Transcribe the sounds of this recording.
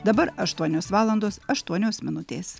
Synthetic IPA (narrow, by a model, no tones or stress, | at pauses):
d̪ɐbɐɾɐʃt̪uɔnʲoːsʋɑːlˠɐnd̪oːsɐʃt̪uɔnʲoːsmʲɪnʊt̪ʲeːs